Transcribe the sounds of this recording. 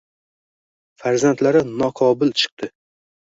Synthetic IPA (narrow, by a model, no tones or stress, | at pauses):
faɾzant̪laɾɪnɒqʰɒbɪlt͡ʃʰɨ̥q̚t̪ʰɪ